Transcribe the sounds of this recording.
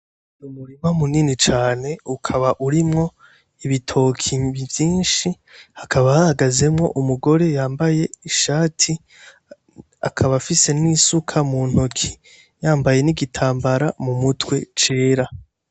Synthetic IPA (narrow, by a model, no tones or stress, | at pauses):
numuɾimamuninit͡ʃaːne̞ukʰaβaʔuɾimŋo̞ | iβitʰo̞kʰiβivjiːnʃi | hakʰaβahahaɡaze̞mŋo̞̰ʔumuɡo̞ɾe̞jaːmbaje̞iʃaːtʰi | a̰kʰaβafise̞nisukʰamuːn̥hokʰi | jaːmbaje̞niɡitʰaːmbaɾamumutwe̞t͡ʃe̞ːɾa